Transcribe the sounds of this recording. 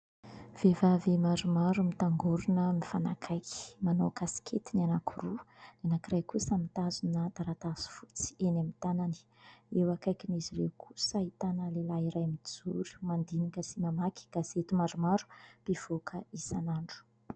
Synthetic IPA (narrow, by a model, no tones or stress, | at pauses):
v̥evavemaɾumaɾumit̪aŋɡuɾunəmifanakʰajki̥manokasi̥kʰet̪inanakʰurunenakirajkusamit̪azunət̪aɾat̪asi̥fu̥t͡si̥enamit̪anani̥ | ewakajkinizirewkʰu̥səit̪anəlelaiɾajmid͡zuɾu̥mand̪inikəsimamaki̥ɡ̥az̥et̪umaɾumaɾu̥piv̥okʰəisanaɳɖ͡ʐu̥